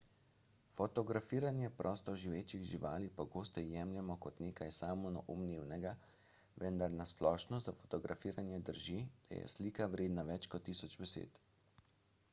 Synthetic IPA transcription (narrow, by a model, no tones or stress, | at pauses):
fɔt̪ɔɡɾafiːɾanjɛpɾɔːst̪ɔʒiʋeːt͡ʃiɣʒiʋaːlipɔɡoːst̪ɛjɛmljɛmɔkɔt̪neːkajsaːmɔnɔ̰ʔumneːwnɛɡa | ʋɛnd̪aɾnasplɔːʃnɔzafɔ̥t̪ɔɡɾʔafiːɾanjɛd̪əɾʒid̪̥a̰jɛ̰sliːkawɾeːd̪naʋɛt͡ʃkɔt̪ːisɔd͡ʒbɛsḛːt̪